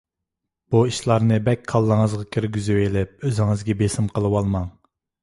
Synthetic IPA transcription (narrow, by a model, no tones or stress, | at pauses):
b̥uiʃlˠɑɾnɨbɛkʲkʰɑlˠːəŋəzʁɑkʲʰyɾɡʲyzywelɪp̚øzɪŋɨzɡʲɛbesɪmqəlˠɨwɑlˠmɑŋ